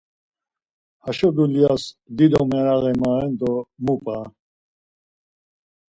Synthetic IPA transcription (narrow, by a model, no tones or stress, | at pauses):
haʃɔd̪ulijasd̪id̪ɔmɛɾaɣɛmaːɛnt̪ɔmupʼaː